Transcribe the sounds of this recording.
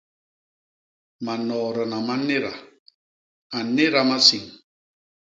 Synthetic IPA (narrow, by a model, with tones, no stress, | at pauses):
ma˨nɔː˨ɾə˨na˨ma˦ne˦ɾa˨ | a˨ne˦ɾa˨ma˦si˨ŋ